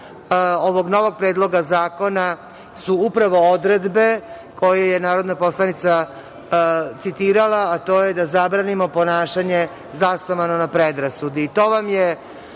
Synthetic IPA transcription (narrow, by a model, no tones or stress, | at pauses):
o̞ʋo̞ɡno̞ʋo̞ɡ̚pɾe̞ːd̪lˠo̞ɡazaːko̞na | suupɾaʋo̞od̪ɾed̪be | ko̞jejenaːɾo̞d̪napo̞slˠanit̪sa | t̪sit̪iːɾalaːt̪o̞ːjed̪azabɾaːnimo̞po̞naːʃaɲe̞ | zast̪omanonapɾed̪ɾasud̪iːt̪o̞ːʋamje